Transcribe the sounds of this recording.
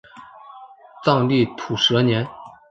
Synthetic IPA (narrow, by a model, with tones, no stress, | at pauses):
t͡sɑ˥˧ŋli˥˩t̪ʰu˨˩ʂɤ˧˥njɛ˧˥n